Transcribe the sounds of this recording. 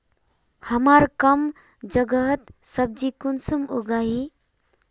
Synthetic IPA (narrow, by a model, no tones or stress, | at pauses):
həmaɾkəm | d͡ʒəɡəɦt̪səb̚d͡ʒikunsumuɡaɦi